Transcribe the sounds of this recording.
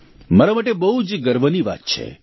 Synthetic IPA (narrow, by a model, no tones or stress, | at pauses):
maɾamaʈebəɦud͡ʒɡəɾʋəniʋa̰t̪̚t͡ʃʰḛ